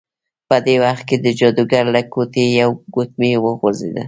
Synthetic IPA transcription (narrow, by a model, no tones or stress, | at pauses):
pəd̪ewaxt̪̚ked̪əd͡ʒɔd̪uɡaɾlakot̪ejawɡot̪̚mewəɣozḛd̪a̰